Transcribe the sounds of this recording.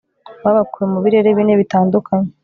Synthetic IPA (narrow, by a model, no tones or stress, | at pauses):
βaβakuɾemuβiɾe̞ɾeβiːneβitaːndukʰaɲe